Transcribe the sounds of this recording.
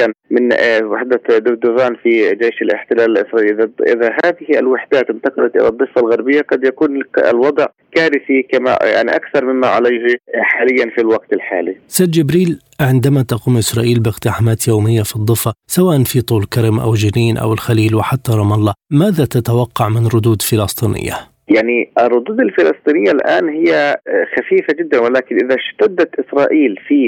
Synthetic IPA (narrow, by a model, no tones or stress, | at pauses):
anmɪnwaħd̪ad̪ʊɡd̪ʊɣaːnfid͡ʒeːʃalɪ̰ħt̪ɪlaːlɪlʔɪsɾˤɑʔiːlʔðaʔɪ̰ðaɦaːðɪhialwɪħd̪aːt̪ɪmt̪ɑqɑlat̪ʔɪ̰lad̪ˤːɨfːalɣaɾˤbɪjːaqɑd̪jakuːnɪ̰lwɑd̪ˤʕ | kaːɾɪθikama̰ja̰ʕnḭʔakθɑɾˤmɪmːaʕa̰lajhħaːlɪjːanfilwaɡt̪ɪlħaːlisaːd̪d͡ʒɪbɾiːl | ʕɪnd̪amat̪aquːmʔɪsɾˤɑːʔiːlbɪqt̪ɪħamaːt̪jawmɪjːafid̪ˤːɨfːasawaːʔanfit̪ˤuːlkaɾɪmʔa̰wd͡ʒɪniːnʔa̰wɪlxaliːlwɪħat̪ːaɾˤɑmɑlˤːɑmaːðat̪at̪awɑqːɑʕmɪnɾˤʊd̪uːd̪fɪlɑst̪ˤiːnɪ̰jːa̰ | jaʕniʔɪrˤːʊd̪uːd̪ɪlfɪlɑsˤt̪ˤiːnɪjːalʔaːnhɪjːaxafiːfad͡ʒɪd̪ːanwalaːkɪnʔɪðaʃt̪ad̪ːat̪ʔɪsɾˤɑːʔiːlfiː